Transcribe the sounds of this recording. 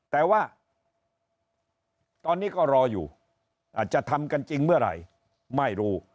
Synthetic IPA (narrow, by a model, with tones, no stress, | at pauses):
t̪ɛː˨˩waː˥˩ | t̪ɔː˧nːiː˦˥˩kɔː˥˩ɾɔː˧jṵː˨˩ | ʔaː˨˩t̪̚t͡ɕa˨˩t̪ʰa˧mka˧nt͡ɕi˧ŋmɯ˥˩ɐɾa̰˧˩j | ma˥˩jɾuː˦˥˩